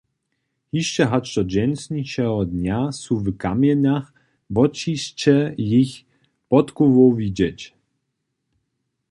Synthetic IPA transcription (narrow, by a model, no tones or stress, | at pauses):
hiʃt͡ʃɛɦat͡ʃt̪ɔd͡ʑɛnsɲit͡ɕɛɦɔd̪ɲʲasuvkamʲjɛnax | bɔt͡ɕist͡ɕɛjix | pɔt̪kuvɔwvʲid͡ʑɛt͡ɕ